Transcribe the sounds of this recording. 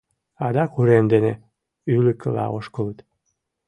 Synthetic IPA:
ɑd̪ɑkuɾemd̪ene | ylə̆kəlɑ̰oʃkələt̪

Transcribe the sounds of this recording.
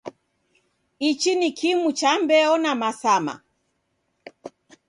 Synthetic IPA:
it͡ʃinikʰimut͡ʃambɛɔnamasama̰

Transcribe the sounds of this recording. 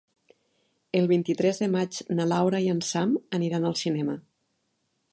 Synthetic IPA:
əlˠβ̞int̪it̪ɾɛzðəmad͡ʒnalawɾaiənsaməniɾanəlˠsinɛmə

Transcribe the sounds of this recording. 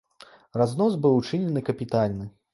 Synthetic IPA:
raznɔzbɨwt͡ʂɨnʲɛnɨkɐpʲit̪alʲnɨ

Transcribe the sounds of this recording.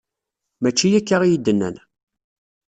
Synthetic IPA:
mæt͡ʃːijækːaʁijid̪ːənːæ̰n

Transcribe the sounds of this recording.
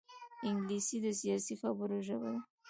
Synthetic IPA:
ɪŋɡlisid̪əs̬ijɑsixabəɾoʒaba̰d̪a

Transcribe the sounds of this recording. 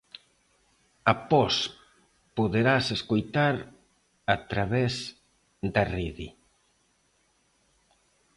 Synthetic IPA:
apɔs | poðeɾaseskojt̪aɾ | at̪ɾaβɛz | d̪ariðḭ

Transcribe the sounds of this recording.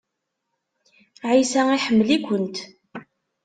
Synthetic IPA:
ʕisæiħəmːəlikʷənt̪

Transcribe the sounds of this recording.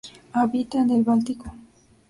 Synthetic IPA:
aβit̪aenelβalt̪iko

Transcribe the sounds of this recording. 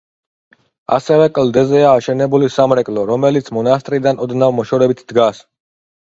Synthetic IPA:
a̰sɛvɛkʼld̪ɛzɛaːʃɛnɛbulisamɾɛkʼlɔɾɔmɛlit̪sʰmɔnast̪ʼɾid̪anɔd̪navmɔʃɔɾɛbit̪ʰd̪̥ɡas

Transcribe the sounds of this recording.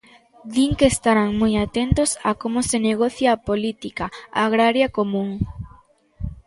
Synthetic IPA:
d̪iŋkeːst̪aɾaŋmojat̪ent̪osakomoseneɣ̞oθjaːpolit̪ikaaɣɾaɾjakomũŋ

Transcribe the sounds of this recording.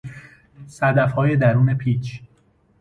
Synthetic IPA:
sæd̪æfhɒːje̞d̪æɾuːne̞pʰiːt͡ʃʰ

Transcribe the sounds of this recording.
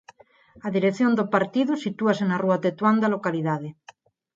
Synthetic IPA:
aðiɾeθjond̪opaɾt̪iðusit̪uasenaruat̪et̪wand̪alokaliðaðe

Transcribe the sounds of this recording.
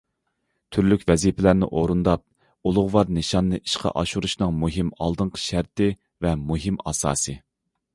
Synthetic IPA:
t̪ʰyɾlykʲvɛzipʰɪlæɾnɪ̰ʔoɾund̪ɑp̚ | ulˠʊʁlɑɾnɨʃɑnːɨʔi̥ʃqʰɑ̰ʔɑʃuɾuʃnɨŋmuɦimɑ̰lˠd̪ɨɴqʰə̥ʃæɾt̪ɪ | vɛmuɦimɑ̰sɑ̰ːsɨ

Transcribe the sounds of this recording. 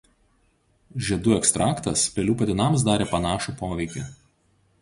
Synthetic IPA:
ʒʲɛd̪uːɛkst̪ɾʔɑːkt̪ɐspʲɛlʲuːpɐd̪ʲɪnɑˑms̬d̪ɑːɾʲeːpɐnɑːʃuˑpoːʋʲɛɪkʲɪ̰

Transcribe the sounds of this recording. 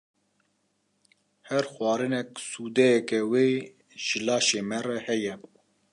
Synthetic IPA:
hɛɾxwɑːɾɨnɛksuːd̪ɛjɛkɛweː | ʒ̥ɪlɑːʃeːmɛrɛhɛjɛ

